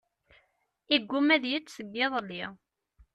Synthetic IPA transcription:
iɡʷːumæðjit͡sːsəɡːeðˤlːi

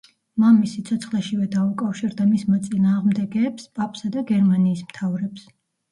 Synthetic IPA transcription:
mamisit̪sʰɔt̪sʰχlɛʃivɛd̪aukʼafʃiɾd̪amismɔt̪sʼinaːʁmd̪ɛɡɛːpspʼapʼsad̪aɡɛɾmaniːsmt̪ʰavɾɛps

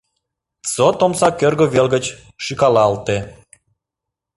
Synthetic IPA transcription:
t͡sot̪omsɑkørɣoβelɣət͡ɕ | ʃikɑlɑɑlt̪e

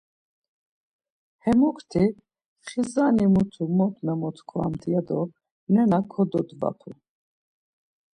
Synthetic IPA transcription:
hɛmukʰt̪ʰi | χizanimut̪ʰumɔt̪ʰnamɔt̪ʰkʰɔa̰mt̪ʰijad̪ɔ | nɛnakʰɔd̪ɔd̪va̰pʰu

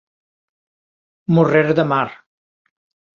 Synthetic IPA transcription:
mureɾd̪əmaɾ

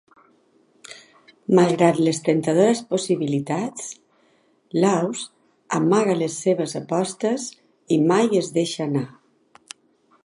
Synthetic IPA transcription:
malˠɣɾat̪ləst̪ent̪að̞oɾəsposiβ̞ilit̪at͡s | lawz | amaɣaləsːeβ̞əzapɔst̪əz | imajezðeʃana

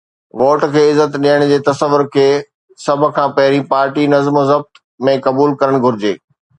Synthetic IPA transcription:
ʋoːʈkʰeːɪzːət̪ɗiəɽ̃d͡ʑeːt̪ɐsəʋːʊɾkʰeː | sɐb̆ʱkʰãːpɐɦɪɾĩpaːɾʈinɐzmozɐb̚t̪ | mẽkɐbuːlkɐɾəɽ̃ɡʱʊɾɪd͡ʑḛː

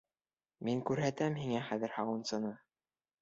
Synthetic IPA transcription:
miŋkʉɾɦæt̪æmhiŋæχæðɘ̆ɾhɑwɤ̆nsɤ̆nɤ

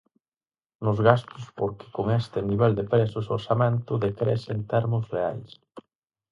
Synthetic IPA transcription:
nʊzɣast̪ʊspoɾkɪ̥koŋest̪ɪniβɛld̪epɾesʊsoɾsamẽnt̪ʊðekɾɛ̰sent̪ɛɾmʊsrea̰js

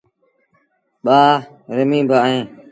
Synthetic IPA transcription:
ɓaː | ɾəmĩːbʱaɦẽː

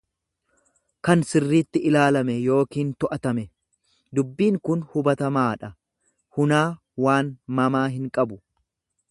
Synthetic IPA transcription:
kɐnsɪrːiːt̪ːɪʔɪlaːlɐmɛjo̞ːkiːnt̪ɔʔɐt̪ɐmɛ | d̪ʊbːiːŋkʊnhʊbɐt̪ɐmaːᶑɐ | hʊnaː | waːnmɐmaːɦɪŋkʼɐbʊ

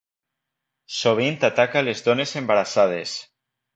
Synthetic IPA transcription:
soβ̞int̪at̪akalezðonesembaɾasað̞es

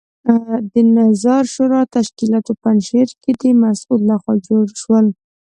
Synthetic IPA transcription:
d̪ənazɑɾʃoɾɑt̪aʃkilɑt̪opanʃeɾked̪əmasulːaxwɑd͡ʒoɽʃwəl

